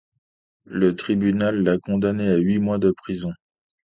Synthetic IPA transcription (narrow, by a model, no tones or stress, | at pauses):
lət̪χibynalːakɔ̃d̪aneaɥimwad̪əpχizɔ̃